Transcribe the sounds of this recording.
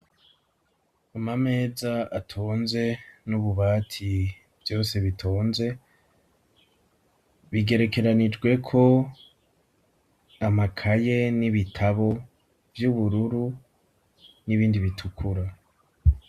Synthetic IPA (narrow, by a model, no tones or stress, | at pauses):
umame̞ːzaatʰoːnze̞nuβuβaːtʰi | vjo̞ːse̞βitʰoːnze̞ | βiɡe̞ɾe̞ke̞ɾanid͡ʒɡwe̞kʰo̞ | amakʰaje̞niβitʰaβo̞ | vjuβuɾuɾu | niβiːndiβitʰukʰuɾa